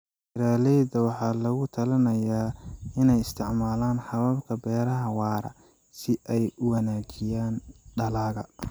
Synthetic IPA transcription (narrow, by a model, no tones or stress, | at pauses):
t͡ʃɪɾaːlɛjdɐwɑħɑːlɐɣʊt̪ʰɐlɐnɐjaːɪnɛjɪst̪ʰɪʕmaːlaːnħɑβɐbkʰɐbɛːɾɐɦɐwɑːɾɐ̰ | sɪʔɛjʊwɑnaːt͡ʃɪjaːnɖɐlaːɣɐ